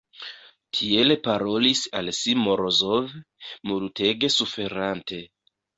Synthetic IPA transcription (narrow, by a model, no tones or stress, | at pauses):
tʰie̞lepaɾo̞lisalsimo̞ɾozov | mulute̞ɡe̞sufe̞ɾante̞